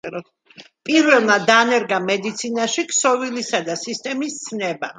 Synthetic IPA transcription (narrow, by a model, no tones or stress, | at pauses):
pʼiɾvɛlˠmad̪anɛɾɡamɛd̪it̪sʰinaʃikʰsɔvilisad̪asist̪ʼɛmist̪sʰnɛba